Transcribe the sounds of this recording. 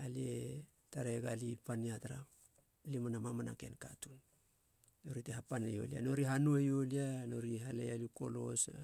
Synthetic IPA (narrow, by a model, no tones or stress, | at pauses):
alie | taɾeɡalipaniataɾap | limanamamana̰ke̞̰nkatun | no̞ɾiteɦapanḛjo̞̰lia̰no̞ɾiɦanuejoliano̞ɾiɦalḛjaluko̞̰lo̞̰sa